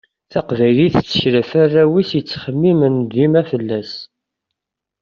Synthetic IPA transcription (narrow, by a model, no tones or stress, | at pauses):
θɑqvæjliθt͡sːə̥çɾəfarːæwisjət͡sːχəmːimənd̪imæfəlːæs